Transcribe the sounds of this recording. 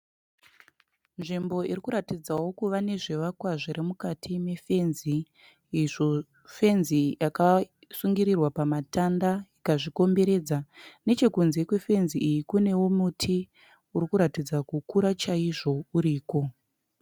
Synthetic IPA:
nʐimbo̞irikuɾatid͡zawo̞kuʋane̞ʐe̞ʋakwaʐiɾemukatʰime̞fe̞nziː | ʐo | fe̞nzijaka | suŋɡiɾirwapamatandajikaʐiko̞mbe̞ɾe̞d͡zane̞t͡ʃe̞kunze̞kwe̞fe̞nziːjikune̞womutʰi | urikuɾatid͡zakukuɾat͡ʃaiʐo̞uɾiːko̞

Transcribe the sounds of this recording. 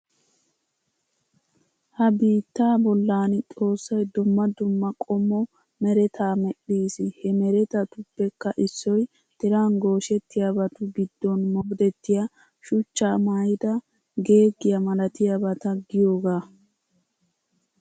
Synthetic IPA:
hɐbiːt̪ːaːbɔlːaːnt̪ʼo̞ːsːɐjd̪ʊmːɐd̪ʊmːɐkʼɔmːɔ | mɛɾɛt̪ʰaːmɛɗːiːsɪhɛmɛɾɛt̪ɐt̪ʊbːɛkːɐʔɪsːɔj | t̪ɪɾaːnɡo̞ːʃɛt̪ːɪjabɐt̪ʊɡɪd̪ːɔnmɔɡd̪ɛt̪ːɪja | ʃʊt͡ʃːaːmaːjɪd̪ɐ | ɡe̞ːɡːɪjɐmɐlɐt̪ɪjabɐt̪ɐɡɪjoːɡaː

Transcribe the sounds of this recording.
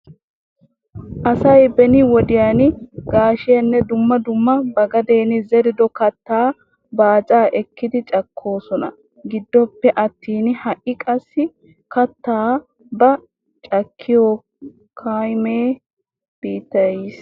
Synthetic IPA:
ʔɐsɐjbɛnɪwɔd̪ɪjanɪɡaːʃɪjɐnːɛd̪ʊmːɐd̪ʊmːɐbɐɡɐd̪eːnɪzɛɾɪd̪ɔkɐt̪ːaː | baːt͡sʼaːʔɛkːɪd̪ɪt͡ʃʼɐkʰːo̞ːsɔnɐ̰ | ɡɪd̪ːɔpːɛʔɐt̪ːiːnhɐʔɪkʼɐsːɪ | kɐt̪ːaː | bɐ | t͡ʃʼɐkʰːɪjoː | kʰajmeː | b̥iːt̪ːɐjiːs

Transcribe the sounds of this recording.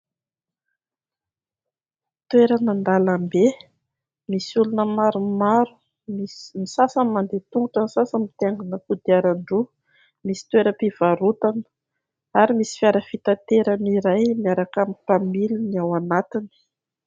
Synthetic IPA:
t̪weɾənand̪alambe | misulunəmaɾumaɾu | mimisasəmand̪et̪uŋɡuʈ͡ʂənisasəmit̪aŋɡunəkud̪iaɾaɳɖ͡ʐu | misi̥t̪weɾəpiv̥aɾut̪an | aɾimisi̥fjaɾəfit̪at̪eɾaniɾajmiaɾakamipamiluniawanat̪ini̥

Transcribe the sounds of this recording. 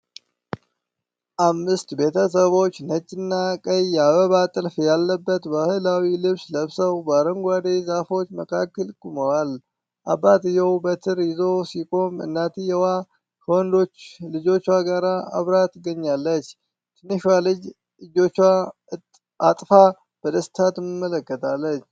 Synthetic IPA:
ʔamːɨst̪be̞t̪ʰəs̬əβo̞t͡ʃːnət͡ʃʼːɪnːakʼəjaβəβat̪ʼɨlfjalːəbːət̪bahɨlawilɨβsləβsəwbaɾəŋɡʷad̪ezafo̞t͡ʃːməkʰakːəlkʼuməwal | ʔabːat̪ɨjɛwbət̪ʰɨɾɪzo̞sikʼo̞mɨ̰nːat̪ɨjɛwa | hond̪o̞t͡ʃːlɨd͡ʒo̞t͡ʃːwaɡaɾaa̰βɾat̪ɨɡəɲːalːət͡ʃː | t̪ʰɨnːɨʃalɨd͡ʒ | ɨd͡ʒo̞t͡ʃːwa | at̪ʼfa | b̥əd̪əst̪ʰat̪ɨmmːələkːət̪ʰalːət͡ʃː

